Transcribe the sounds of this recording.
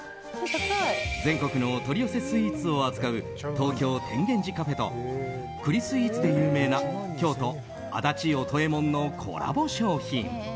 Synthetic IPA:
d͡zẽ̞ŋko̞kɯ̟no̞t̪o̞ɾʲiose̞sɨiit͡sɨo̞ad͡zɨ̥kaɯ̟ | t̪o̞ːkʲo̞ːt̪ʰẽ̞ŋɡẽ̞ɲ̟d͡ʑikaɸe̞t̪o̞̰ | kɯ̟ɾʲisɨiit͡sɨd̪e̞jɯ̟ːme̞ːnakʲo̞ːt̪o̞ | a̰d̪at͡ɕio̞t̪o̞e̞mõ̞nːo̞kʰo̞̰ɾa̰bo̞ɕo̞ːçḭ̃ŋ

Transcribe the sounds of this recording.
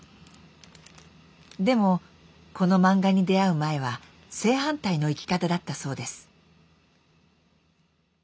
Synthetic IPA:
d̪e̞mo̞ | ko̞no̞mãŋɡaɲ̟id̪e̞aɯ̟mae̞β̞a | se̞ːɦãnt̪aino̞ikʲi̥kat̪ad̪at̪ːaso̞ːd̪e̞sɨ̥

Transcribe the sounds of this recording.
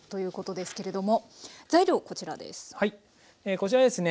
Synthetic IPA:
t̪o̞jɯ̟ːko̞t̪o̞d̪e̞sɨ̥ke̞ɾe̞d̪o̞mo̞zaiɾʲo̞ːko̞t͡ɕiɾa̰d̪e̞̰sɨ̥hai | eːko̞t͡ɕiɾad̪e̞sɨne

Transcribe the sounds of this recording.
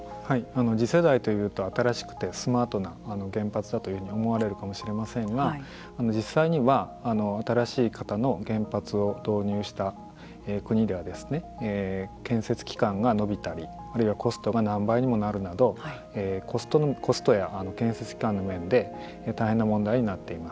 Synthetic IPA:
haiano̞d͡ʑise̞d̪ait̪o̞jɯ̟ːt̪o̞at̪aɾaɕi̥kɯ̟̥t̪e̞sɨmaːt̪o̞naːno̞ɡẽ̞mpat͡sɨd̪at̪ojɯ̟hɯ̟ɲio̞mo̞aɾe̞ɾɯ̟kamo̞ɕiɾe̞masẽ̞ŋɡaː | no̞d͡ʑisːaiɲ̟iβaːno̞at̪aɾaɕiːkat̪ano̞ɡẽ̞mpat͡sɨo̞d̪̥o̞ːɲ̟ɨːɕi̥t̪a | eːkɯ̟ɲ̟id̪e̞βad̪e̞sɨ̥ne̞ːkẽ̞ɰ̃se̞t͡sɨ̥kʲi̥kãŋɡano̞bʲit̪aɾʲi | aɾɯ̟iβako̞sɨ̥t̪o̞ɡanãmbaiɲ̟imo̞naɾɯ̟nad̪o̞a | eːkost̪okʰo̞sɨ̥t̪o̞jaʔano̞kẽ̞ɰ̃se̞t͡sɨ̥kʲi̥kãnːo̞mẽ̞nd̪e̞ | t̪aiɦẽ̞nːamõ̞nd̪aiɲ̟inat̪ːe̞imas

